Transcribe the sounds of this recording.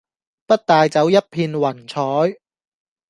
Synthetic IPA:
pɐ˥t̚t̪aː˨jt͡sɐ˨˥wjɐ˥t̚pʰiː˧nwɐ˨˩nt͡sʰɔː˨˥j

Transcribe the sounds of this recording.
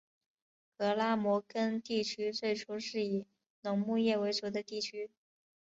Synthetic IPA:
kɤ˧˥la˥mwɔ˧˥kə˥nt̪i˥˩t͡ɕʰy˥t͡swe˥˩ɪʈ͡ʂʰu˥ʂɻ̩˥˩i˨˩ | nʊ˧˥ŋmu˥˧jɛ˥˩we˧˥ɪʈ͡ʂɤ˨˥d̪ə˧t̪i˥˩t͡ɕʰy˥

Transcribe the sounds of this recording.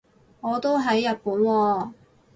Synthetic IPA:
ŋɔː˨˧t̪o˥wɦɐ˨˥jːɐ˨t̚puː˨˥nwɔː˧

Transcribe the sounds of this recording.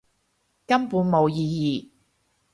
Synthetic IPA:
kɐ˥mpuː˨˥nmo˨˧wjiː˧jiː˨˩

